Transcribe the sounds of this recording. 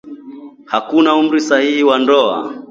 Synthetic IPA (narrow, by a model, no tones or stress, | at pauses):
hakunaum̩ɾisahihiwandɔa̰